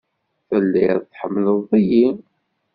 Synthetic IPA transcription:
θəlːiɾθħəmːləðˤiji

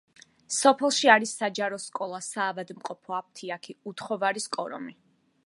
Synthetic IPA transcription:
sɔpʰɛlˠʃiaɾisːad͡ʒaɾɔskʼɔlˠasaːvad̪mqʼɔpʰɔap̚t̪ʰiakʰiut̪ʰχɔvaɾiskʼɔɾɔ̰mi

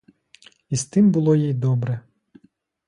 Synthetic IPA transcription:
ist̪ɪmbʊlˠɔjijd̪ɔbɾɛ

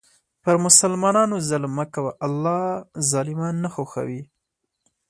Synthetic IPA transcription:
pəɾmʊsalmɑnɑnozalmakawaʔalːɑzɑlɪmɑnːaxoxa̰wi

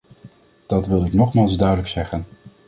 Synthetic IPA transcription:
d̥ɑtʋɪlˠɪknɔχmaːlˠzdœɥdələksɛχən

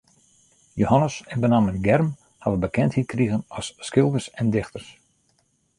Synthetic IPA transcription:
johanəsənbənaːmənɡɛrm | haʋəbəkʰɛnthit̚kriɣənɔsːkɪlˠdərsɛndɪxtərs

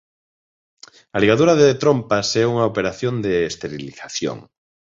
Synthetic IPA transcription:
aliɣaðuɾaðet̪ɾompasɛuŋaopeɾaθjõnd̪eːst̪eɾiliθaθjo̰ŋ

